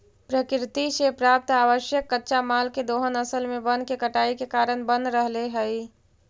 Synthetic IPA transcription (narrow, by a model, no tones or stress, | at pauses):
pɾəkɾɪt̪isepɾaːp̚t̪aːʋəʃjəkːətːʃamaːlked̪oːɦənəsəlmẽbənkekəʈaːikekaːɾənbənd̪ɾəɦleɦəi